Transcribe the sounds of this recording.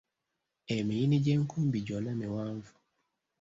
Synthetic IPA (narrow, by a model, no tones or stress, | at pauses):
ɛmɛjinid͡ʒɛŋ̩kumbid͡ʒɔlamɛwaɱvu̥